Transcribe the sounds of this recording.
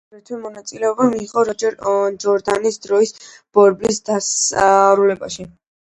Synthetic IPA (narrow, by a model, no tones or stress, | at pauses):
ɛɾt̪ʰwɛmɔnat̪sʼilɛɔbamiːʁɔɾɔd͡ʒɛɾd͡ʒɔɾd̪anisd̪ɾɔis | b̥ɔɾblisd̪asɾulɛbaʃi